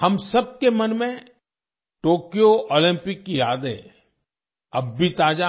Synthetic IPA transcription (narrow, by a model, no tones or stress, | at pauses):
hɐmsɐb̚kemɐnmẽ | ʈoːkijoʔoːlɪ̃mpɪkːijaːd̪ḛ̃ | ɐbːit̪aːd͡ʒa